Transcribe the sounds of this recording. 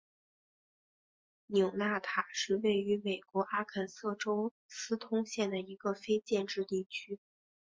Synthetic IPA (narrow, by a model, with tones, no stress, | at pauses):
njʊ˨˩ʊna˥˩t̪ʰa˨˩ʂɻ̩˥˧we˥˩ɪy˧˥me˨˩ɪkwɔ˧˥ʔa˥kʰə˨˩nsɤ˥˩ʈ͡ʂo˥ʊ | sɹ̩˥t̪ʰʊ˥ŋɕjɛ˥˩nd̪ə˩i˧˥ɡə˧fe˥ɪt͡ɕjɛ˥˧nʈ͡ʂɻ̩˥˧t̪i˥˩t͡ɕʰy˥